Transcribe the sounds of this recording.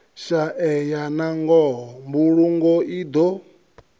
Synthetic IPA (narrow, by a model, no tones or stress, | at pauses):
ʃaʔɛjanaŋɡɔɦɔmbuɺuŋɡɔid̪o